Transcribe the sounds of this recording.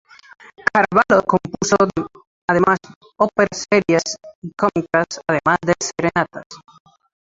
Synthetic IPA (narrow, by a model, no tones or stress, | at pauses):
kʰaɾaβalokõmpusoð | að̞emas | opeɾaseɾjasikomikasaðemazðeseɾenat̪as